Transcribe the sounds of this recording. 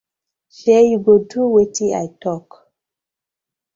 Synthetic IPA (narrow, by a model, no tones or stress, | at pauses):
ɬejiɡotuwetia̰jtɔk